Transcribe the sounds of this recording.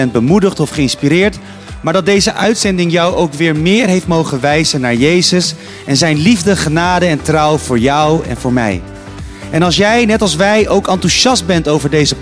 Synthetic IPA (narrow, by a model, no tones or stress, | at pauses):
ɛnd̚bəmudəχtɔfχəɪnspiɾɪːɹt | maːɹdɑt̚dejzəʔœɥtsɛndɪŋjʌwʔowkʋɪːɹmɪːɹɦejftmowχənʋɛjzənːaːɹjejzəs | ʔɛnzɛjnlivdəχənaːdəɛntrʌwvʊːɹjʌwɛ̰nvʊːɹmɛ̰j | ʔɛnɑlˠs̬jɛjnɛtɑlˠsʋɛjowkɑntuʃɑst̚bɛntowvəɹdejzəp